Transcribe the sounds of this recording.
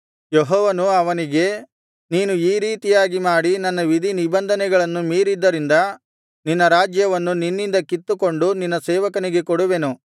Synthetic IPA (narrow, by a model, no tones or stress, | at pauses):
jeɦɔːʋɐnuɐʋɐniɡe̞ | niːnuiːɾiːt̪ijaːɡimaːɽinɐnːɐʋid̪ʱinibɐnd̪ʱɐnɛɡɐɭɐnːumiːɾid̪ːɐɾind̪ɐ | ninːɐɾaːd͡ʒjɐʋɐnːuninːind̪ɐkit̪ːuko̞ɳɖuninːɐsɛːʋɐkɐniɡe̞kɔɽuʋe̞nu